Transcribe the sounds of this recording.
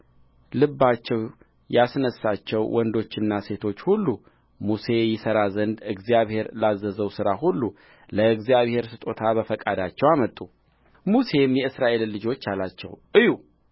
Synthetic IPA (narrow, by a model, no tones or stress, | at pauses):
lɨbːat͡ʃːɛw | jasnəsːat͡ʃːɛwwʔɔnd̪o̞t͡ʃːɪnːase̞t̪ʰo̞t͡ʃːhulːu | muse̞jɪsəɾazənd̪ɨɡzijaβhe̞ɾlazːəzəwsɨɾaɦulːu | ləɨɡzijaβhe̞ɾsɨt̪ʼo̞t̪ʰaβəfəkʼad̪at͡ʃːɛwamət̪ʼːu | muse̞mjɛɨsɾaʔe̞lːɨd͡ʒo̞t͡ʃːalat͡ʃːɛ̰wʔɨju